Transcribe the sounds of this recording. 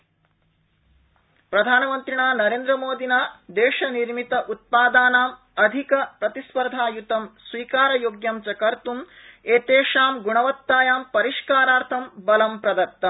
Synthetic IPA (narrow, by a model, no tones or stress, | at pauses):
pɾɐd̪ʱaːnɐmɐnt̪ɾiɳaːnɐɾeːnd̪ɾɐmoːd̪ʱinaːd̪eːʃɐniɾmit̪ɐʔut̪̚paːd̪aːnaːm | ɐd̪ʱikɐpɾɐt̪ispɐɾd̪ʱaːjut̪ɐmsʋiːkaːɾɐjoːɡjɐmt͡ʃɐkɐɾt̪um | eːt̪eːʂaːmɡuɳɐʋɐt̪ːaːjaːmpɐɾiʂkaːɾaːɾt̪ʰɐmbɐlɐmpɾɐd̪ɐk̚t̪ːɐm